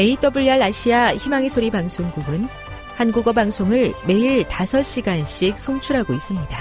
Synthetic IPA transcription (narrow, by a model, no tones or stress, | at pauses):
me̞it͈ʌbuʎːʌɭaɕʰiaçimaŋesʰoɾibaŋsʰoŋɡuɡɯn | hanɡuɡʌbaŋsʰoŋɯɭme̞iɭtasʰʌɕ͈iɡanɕ͈ʰik̚sʰoŋt͡ɕʰuɾɦaɡois͈ɯmɲida